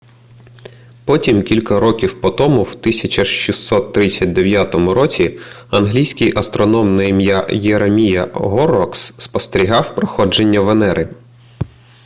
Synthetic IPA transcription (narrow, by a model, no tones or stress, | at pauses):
pɔtʲimkʲilʲkɐɾɔkʲiwpɔt̪ɔmʊwt̪ɪsʲɐt͡ʃɐʃʃisːɔt̪ːɾɪt͡sʲːɐt̚ʲd̪eʋʲjat̪ɔmʊɾɔt͡sʲi | ɐnɦlʲijsʲkɪjʔɐst̪ɾɔnɔmnɛjmjajeɾemʲijɐɦɔɾɔksːpɔst̪eɾʲiɦɑwpɾɔxɔd͡ʒe̞nʲːɐʋenɛɾʔɪ